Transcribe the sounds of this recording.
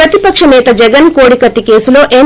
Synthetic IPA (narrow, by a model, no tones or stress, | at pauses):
ɐt̪ipɐkʂɐnɛːt̪ɐd͡ʒɛɡɐnkoːɽikɐt̪ːike̞ːsulo̞ːʔe